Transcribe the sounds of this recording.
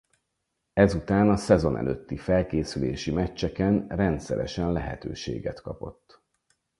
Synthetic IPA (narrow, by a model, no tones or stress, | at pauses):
ɛzut̪aːnɒsɛzo̞nɛ̰løːt̪ːifɛlkeːsyleːʃimɛt͡ʃːɛkɛnrɛnt̪sɛɾɛʃɛnlɛɦɛt̪øːʃḛːɡɛt̪kɒ̰po̞̰t̪ː